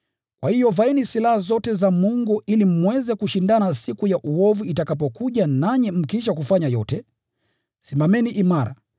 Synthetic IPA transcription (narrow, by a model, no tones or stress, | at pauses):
kwa̰hijɔvainisilahazɔtɛzamuŋɡuʔilim̩wɛzɛkuʃindanasikujaʔuɔvuitakap̬ɔkuʄanaɲɛm̩kiʃ̬akufaɲajɔtɛ | simamɛniʔimaɾa̰